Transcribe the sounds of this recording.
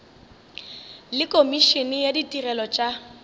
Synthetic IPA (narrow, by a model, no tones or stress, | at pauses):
lɪkʼomiʃinɪjaditʼirɛlɔt͡ʃʼa